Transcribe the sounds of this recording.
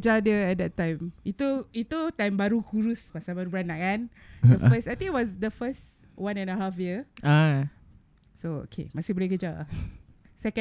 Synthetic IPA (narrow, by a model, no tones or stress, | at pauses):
d͡ʒadəɛt̚dɛtːãj̃mit̪uit̪ut̪ãjmbaɾukuɾuspasãbaɾubanakandəfəsajt̪ĩŋitwɔsdəfəs | wãnɛ̃nəɦafjiəa | soo̰kʰḛmasibəlɛkəd͡ʒa | sɛkə̃